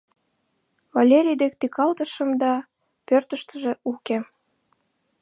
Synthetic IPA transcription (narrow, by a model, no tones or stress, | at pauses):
vɑlʲeɾʲijd̪ek̚t̪ikɑlt̪əʃə̆md̪ɑ | pørt̪əʃt̪əʒĕuke